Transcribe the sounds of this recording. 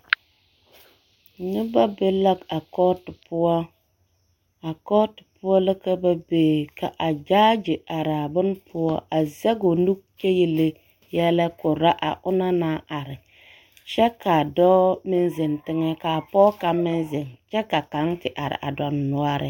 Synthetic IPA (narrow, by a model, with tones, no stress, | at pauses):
nɪ˦ba˦be˦la˦ka˨kɔ˦tʊ˨pʊ˦wɔ˦ | a˨kɔ˦tɪ̥˨pʊ˦ɔ˦lə˦ka˦ba˦beː˨ka˨ʔa˨d͡ʒaː˦d͡ʒɪ˨a˨ɾa˨bʊ˦npʰʊ˦ɔ˦a˨zɛ˦ɡo˨nu˦k̚t͡ʃe˦ji˨le˦ | jɛ˦lɛ˦kʊ˨ɾa˦ʔa̰˨ʔʊ˦na˦naː˦ʔa˨ɾɪ˨ | t͡ʃɛ˦kʰa˨dɔ˦mɪ˦n˦zɪ˨ntɪ˦ŋɛ˦ka˨pɔ˦ka˦mɪ˦nzɪ˨nt͡ʃɛ˦ka˨ka˨˦ŋtɪ˨ʔa˨ɾɪ̰˨ʔa̰˨dɔ˨nːu˦a˦ɾɪ̰˨